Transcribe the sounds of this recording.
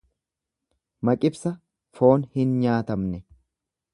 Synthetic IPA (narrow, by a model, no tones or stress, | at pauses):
mɐkʼɪbsɐ | fo̞ːnhɪnɲaːt̪ɐmnɛ